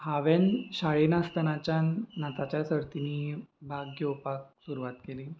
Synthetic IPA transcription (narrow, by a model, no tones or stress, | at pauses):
haʋenɕaɭinast̪ənat͡ɕjanːat̪at͡ɕjasəɾt̪iniːbʱaɡjopak̚suɾuʋat̪keliː